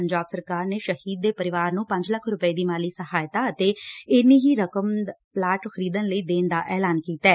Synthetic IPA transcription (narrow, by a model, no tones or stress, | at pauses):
əɲd͡ʒaːbsəɾkaːɾneːʃəhiːd̪̚ːeːpəɾɪʋaːɾnũːpə̃ɲd͡ʒləkʰɾʊpəiːd̪iːmaːliːsəɦaːjt̪aːət̪eːɪniːɦiːɾəkəmplaːʈxəɾiːd̪ənləiːd̪eːnd̪aːʔɛːlaːnkiːt̪aɛː